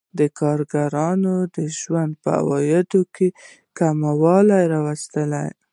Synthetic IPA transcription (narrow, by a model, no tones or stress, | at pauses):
d̪əkɑɾɡaɾɑnod̪əʒwand̪̚pəa̰wɑjɪd̪okʰe | kamawɑlajɾɑwast̪əla̰j